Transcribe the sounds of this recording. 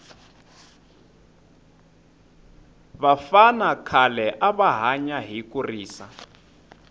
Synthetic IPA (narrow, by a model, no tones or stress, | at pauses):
βafanakʰalɛʔaβaɦaɲaɦikuriːsa̰